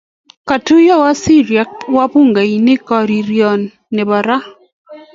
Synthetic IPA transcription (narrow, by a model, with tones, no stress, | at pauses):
ka˨tu˦jɔ˦wa˦si˦ɾja˨wa˦pu˦ŋɡa˨inɪ˦kɔ˨ɾi˨ɾjɔ˨nː | ɪ˨ba˨ɾa˦